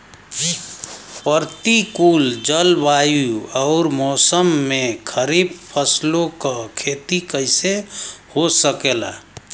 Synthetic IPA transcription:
pəɾt̪ikuld͡ʒəlbajuɔʊɾmɔːsəmːekʰəɾib̚pʰəslõkakʰet̪ikəɪsehosəkela̰

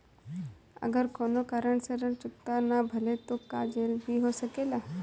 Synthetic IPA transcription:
ə̰ɡəɾkoːnokaɾəɳseɾəɾt͡ʃʊk̚t̪anabʱɐlet̪okad͡ʒeːlbʱiɦosəkeːlaː

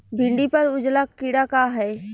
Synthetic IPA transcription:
bʱĩɳɖipəɾʊd͡ʒlakːiɽakaɦɛː

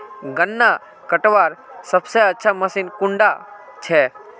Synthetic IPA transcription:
ɡənːa | kəʈʋaːɾsəbseətːʃʰaməsinkʊɳɖa | t͡ʃʰeː

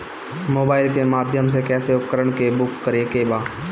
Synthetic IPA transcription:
moːbaːɪlkemaːd̪ʱjəms̬ekɛːseʊpkəɾəɳkebʊkːəɾekebaː

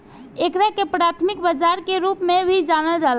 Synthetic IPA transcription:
ekɾakepɾat̪ʰmikbəd͡ʒaɾkeɾupmebʱid͡ʒanəld͡ʒal

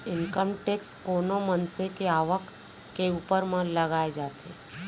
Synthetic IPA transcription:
ɪnkəmʈekskonomənsekeaʋəkː | eupəɾmãləɡaed͡ʒat̪ʰḛ

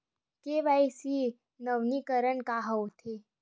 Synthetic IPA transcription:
keʋajsi | nəʋnikəɾəɳkaɦəwt̪ʰe

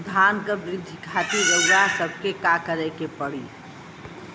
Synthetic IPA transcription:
d̪ʱankəbɾɪd̪ʱːikʰat̪iɾəjasəbʱkekakəɾɛkepəɽḭ

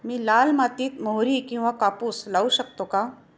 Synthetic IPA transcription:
mĩlaːlmaːt̪it̪̚moɦɾikĩʋãkaːpuslauʃɐk̚t̪oka

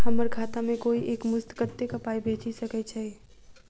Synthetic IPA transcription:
ɦəməɾɡʱaːt̪amẽkoːiʔeːkmʊst̪kət̪ːekəpaːibʱeːt͡ʃisəkɛt͡ʃʰaːɦie

